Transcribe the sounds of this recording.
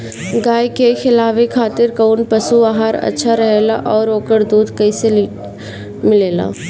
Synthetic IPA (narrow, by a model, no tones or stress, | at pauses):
ɡaːjkexɪlaːʋekʰaːt̪ɪɾkɐʊnpɐsubaːɦaːɾɐ̰tːʃʰaɾɐɦeːla̰ʔɔːɾoːkəɾd̪uːd̪kɐiseli | mɪleːla̰ː